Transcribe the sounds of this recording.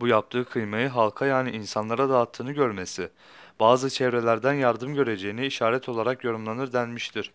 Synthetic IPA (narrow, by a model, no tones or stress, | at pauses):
bujap̚t̪ʰɯːkʰɯjmajɯɦalˠkʰajaːniʔinsanlˠaɾad̪aːt̪ʰːɯːnɯɟøɾme̞sɪ | b̥aːzɯt͡ʃʰevɾe̞lʲæɾd̪ænjaɾd̪ɯmɟø̞ɾe̞d͡ʒe̞jiniiʃaːɾɛt̪ʰo̞lˠaɾakjo̞ɾumlˠanɯɾd̪ænmiʃt̪ʰiɾ̥